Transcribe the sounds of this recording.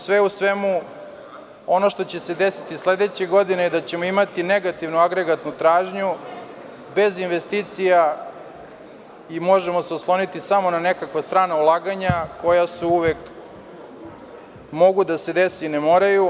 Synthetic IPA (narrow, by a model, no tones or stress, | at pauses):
sʋeusʋe̞mu | o̞no̞ʃt̪o̞t͡ɕe̞sed̪esi̥t̪isled̪et͡ɕeɡo̞d̪inejd̪at͡ɕe̞moimat̪ine̞ɡat̪iʋnuaɡɾeɡat̪nut̪ɾaːʒɲu | be̞zinʋe̞st̪iːt̪sija | imo̞ʒemo̞seusklˠo̞nit̪isamo̞nane̞kakʋast̪ɾaːnaulˠaːɡaɲako̞jasuuʋek | mo̞ɡud̪ase̞d̪e̞siinemo̞ɾaju